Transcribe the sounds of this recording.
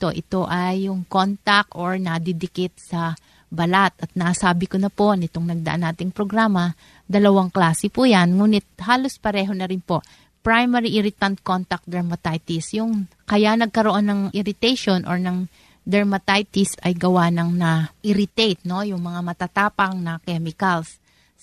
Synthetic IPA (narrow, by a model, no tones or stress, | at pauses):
t̪oʔɪt̪o̞ʔɐjːʊŋkont̪ɐk̚ʔoɹnɐd̪ɛd̪ɪket̪̚sɐ | bɐlat̪ɐt̪̚nɐʔasaːbɪkonɐpo̞nɪt̪oŋnɐɡ̚d̪ɐʔanːaːt̪ɪŋpɾoɡɾaːmɐ | d̪ɐlɐwaŋklaːsɛpuːjanŋuːnɪt̪̚haːlo̞spɐɾɛːɦo̞nɐɾɪnpo̞ʔ | pɹajmɛɾiʔɪɾɪt̪ɐnt̪̚kont̪ɐk̚d̪ɐɹmɐt̪ajt̪ɪsjʊŋ | kɐjanɐɡ̚kɐɾoʔo̞nːɐŋʔɪɾɪt̪ɛjʃo̞nʔo̰ɹnɐŋ | d̪ɐɹmɐt̪ajt̪ɪsɐjɡɐwanɐŋnɐʔɪɾɪt̪ɛjt̪̚no̞jʊŋmɐŋamɐt̪at̪aːpɐŋnɐkɛmɪkɐls